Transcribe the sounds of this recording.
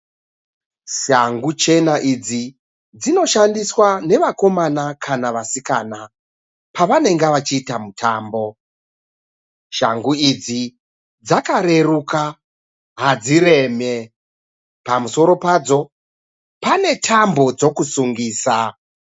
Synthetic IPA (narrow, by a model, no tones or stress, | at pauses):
ʃaŋɡut͡ʃe̞naʔid͡zi | d͡zino̞ʃandiswane̞ʋako̞manakʰanaʋasikana | paʋane̞ŋɡeʋat͡ʃiːtamutʰaːmbo̞ | ʃa̰ŋɡuid͡zi | d͡zakaɾe̞ruka | ɦad͡ziɾe̞ːme̞ | pamuso̞ɾo̞pad͡zo̞ | pane̞tʰambo̞d͡zo̞kusuŋɡiːsa